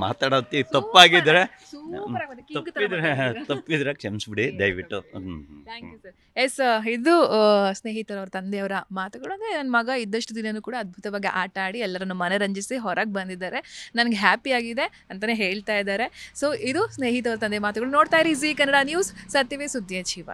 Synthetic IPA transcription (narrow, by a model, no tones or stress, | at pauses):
ma̰ːt̪aːɽɐt̪it̪ɐpːaːɡid̪ɾesuɾad̪ɐɡp̪id̪ɾet̪ɐpːid̪ɾekʂemsbiɽid̪ɐjʋiʈːut̪ʰaːŋkjusɐɾ | jesid̪usne̞ːɦit̪ɐɾɐʋɾɐt̪ɐnd̪ɛɐʋɐɾɐmaːt̪uɡɐɭuɐnd̪ɐenɐnːɐmɐɡɐid̪ɐʂʈud̪inɐnuːkuːɽaɐd̪̚bʱut̪ɐʋaːɡiʔaːʈaːɽiɛlːɐɾɐnːumɐneɾɐɲd͡ʒisiɦɔɾʔɐɡ̚bɐnd̪id̪aːɾe̞nɐnɐɡeɦaːpiaːɡid̪e̞ | ɐnt̪ɐneːɦe̞ːɭt̪aːid̪aːɾe̞soːʔid̪usneːɦit̪̬ɐʋɾɐt̪ɐnd̪emaːt̪uɡɐɭunoːɽt̪aːjɾizikɐnːɐɽaːnjuːsːɐt̪jɐʋesud̪ʱjɐʃiʋa̰